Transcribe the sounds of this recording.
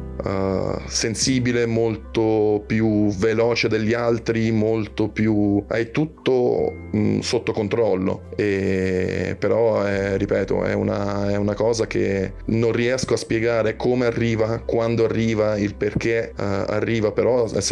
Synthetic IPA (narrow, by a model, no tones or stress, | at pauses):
sensiːbilemolt̪opjuvelɔːt͡ʃed̪eʎːialt̪ɾimolt̪opjua̰jt̪ut̪ːo | sot̪ːokont̪ɾɔlːo̰e | peɾɔɛripɛːt̪o̰ɛ̰ṵna̰ɛunakɔːzakḛ | nõnriɛskoaspjeɡaːɾekʰomearːiːvakwand̪oarːiːvailperk̟ea̰rːiːvapeɾɔɛ